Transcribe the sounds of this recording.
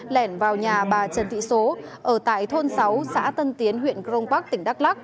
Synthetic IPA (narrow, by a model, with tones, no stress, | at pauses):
lɛ˧˩nvaː˨˩wɲaː˨˩ɓaː˨˩t͡ɕə˨˩nt̪ʰḭ˧˨so˨˦ʔəː˧˩t̪a̰ː˧˨jt̪ʰo˧nsa˨˦wsa̰ː˧˥t̪ə˧nt̪i˨˦ənɦwḭ˧˨ənkɾə˧wŋ͡mkaː˦˥k̚t̪ï˧˩ŋɗa˦˥k̚la˦˥k̚